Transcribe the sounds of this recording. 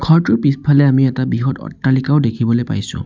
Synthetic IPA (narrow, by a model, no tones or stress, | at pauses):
kʰɔɹtʊpispʰalɛamiɛtabiɦɔtɔ̰tːalikaʊdekʰibɔlejpa̰jsʊ̰̃